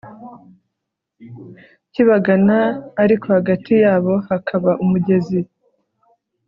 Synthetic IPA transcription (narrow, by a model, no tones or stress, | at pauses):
ciβaɡanaːɾiko̞haɡatʰijaːβo̞hakʰaβaʔumuɟe̞zi